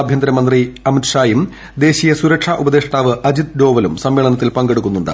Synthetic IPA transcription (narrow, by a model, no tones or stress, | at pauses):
bʱjɐnd̪ɾɐmɐnd̪riɐmit̪ʂaːjum | d̪e̞ːɕijɐsuɾɐkʂaːʔubɐd̪e̞ːʂɐʈ̪aːʋɨʔɐd͡ʑid̪̚ɖo̞ːʋɐlumsɐmʋeːɭɐnɐt̪ːilpɐŋɡe̞ɽuk̬ːunːuɳɖɨ̰